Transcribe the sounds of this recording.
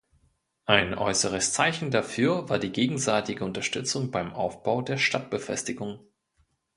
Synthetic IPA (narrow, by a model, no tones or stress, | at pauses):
ʔaɪnʔɔ̰ʏsəʁ̞əst͡saɪçn̩dafyːɐvaːɐdiːɡeːɡŋ̩zaɪtɪɡəʊntɐʃtʏt͡sʊŋbaɪmʔa̰ʊfb̥aʊdeːɐʃtat̚b̥əfɛ̰stɪɡʊŋ